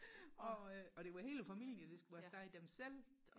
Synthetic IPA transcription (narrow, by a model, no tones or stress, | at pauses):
ɒ̽ɒ̽ɾ̥e̝ʋɑ̈he̝̰ːlfæmil̰iəd̥e̝sɡ̥uʋæsdæid̥emsel̰